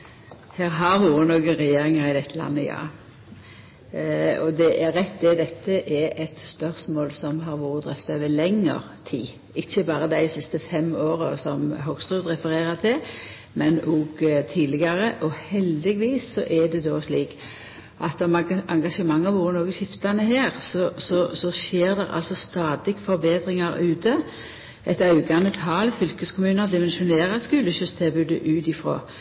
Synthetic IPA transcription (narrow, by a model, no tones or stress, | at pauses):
hæːɾɦɑɾʋuːɾənoːɡəʁɛjeːɾɪŋəɾɪd̪ɛt̪ʰːəlɑ̰nːəjɑ̰ː | ɔd̪ɛʔæɾːɛt̪ːd̪ɪd̪ɛt̪ːəʔɛɾɛt̪spœʁsmoːlsɔmɦɑɾʋuːɾəd̪ɾɛft̪ɑʋɛːlɛŋːə̰ʁt̪ʰiː | ɪçːəbɑːɾəd̪æɪsɪst̪əfɛmoːɾəsɔmɦɔɡst̪ʁʉːd̪ʁɛfəɾeːɾɑt̪ʰɪl | mɛnoɡt̪ʰiːlɪɡɑɾəʔɔhɛld̪ɪɡʋiːsːɔʔɛd̪ɛd̪oːsliːk | ʔɑt̪ːɔmɑŋɡɑʃəmɑŋːɑʋoːɾənoːɡəɕɪft̪ɑnəheːʁsɔsɔsɔʃeːɾd̪ɛʁɑ̰lsɔst̪ɑːd̪ɪɡfɔɾbeːd̪ɾɪŋɑɾʉːt̪ə | ɛt̪ɑʉɡɑnət̪ʰɑːlfʏlkəskʰʊmʉːnəd̪ɪmɛnʃʊneːʁɑt̪skʉːləɕʏst̪ʰɛːbʉːd̪əʔʉːt̪ɪfɾo̰ː